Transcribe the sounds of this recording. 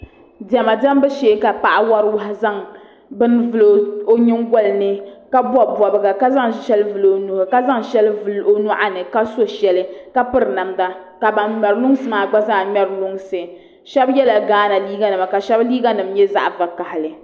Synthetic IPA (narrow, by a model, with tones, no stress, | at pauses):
dɛ˨ma˨da˦m˦bɨ˦ʃeː˨˦ka˨pa˦ʔa˦wa˦ɾɨ˦wa˦ɦa˨za˦ŋ | bɨ˦nvɨ˨lo˦o˦ɲɪ˦ŋɡɔ˦lnɨ˦ka˦bwɔ˦bɔ˨bɨ˨ɡa˨ka˦za˦ŋʃɛ˦lvɨ˨lo˨nu˨hʊ˨ka˦za˦ŋʃɛ˦lvɨ˦lo˦nʊ˦ʔa˦nɨ˨ka˦so˦ʃɛ˨lɨ˦ka˦pɨ˦ɾɨ˨na˨mda˦ | ka˨ba˨nmɛ˨ɾlʊ˦ŋ˦sɨ˨maː˨ɡ͡ba˦za˦˨mɛ˦ɾlʊ˦ŋsɨ˨ | ʃɛ˦bjɛ˦la˨ɡaː˦na˨liː˦ɡa˨nɨ˨ma˨ka˨ʃɛ˦bliː˦ɡa˦nɨ˨mjɛ˦za̰˦ʔva˨ka˨hɪ˨lɨ˨